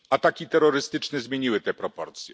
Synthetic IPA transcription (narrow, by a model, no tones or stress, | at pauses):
at̪akʲit̪ɛɾɔɾɘst̪ɘt͡ʂnɛzmʲjeɲiwɘt̪ɛpɾɔpɔɾt̪sʲjɛ̰